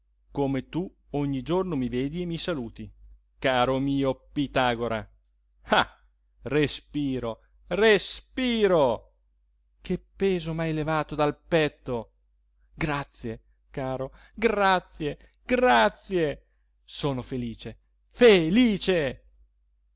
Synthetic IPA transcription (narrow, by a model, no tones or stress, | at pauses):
komet̪u | oɲːid͡ʒornomiveːd̪iemːisaluːt̪i | kaːɾomiːopit̪aːɡoɾa̰ | a | respiːɾo | respiːɾo | kʰepːeːzomajlevaːt̪od̪alpɛt̪ːo | ɡɾat̪sːje | kaːɾo | ɡɾat̪sje | ɡ̥rat̪sje | soːnofeliːt͡ʃe | feliːt͡ʃe